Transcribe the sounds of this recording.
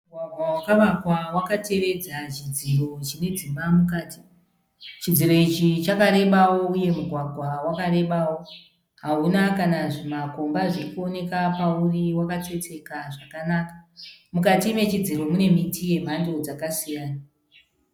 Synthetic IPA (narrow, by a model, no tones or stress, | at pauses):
uɡʱwaɡʱwawakaʋakwawakate̞ʋe̞d͡zat͡ʃid͡ziro̞t͡ʃine̞d͡zimbamukaːti̥ | t͡ʃid͡ziɾo̞it͡ʃit͡ʃakaɾe̞ɓawo̞uje̞muɡʱwaɡʱwawakaɾe̞ɓawo̞ | ɦaɦunakanaʐimako̞mbaʐikuo̞ne̞kapauriwakat͡se̞t͡se̞kaʐakanakḁmukatime̞t͡ʃid͡ziro̞mune̞mitije̞m̤ʱandod͡zakasijaːna